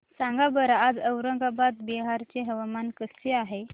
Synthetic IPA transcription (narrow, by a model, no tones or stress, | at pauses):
sãŋɡabəɾːd͡zəwɾəŋɡabad̪biɦaɾt͡seɦəʋamankəst͡ɕeaɦe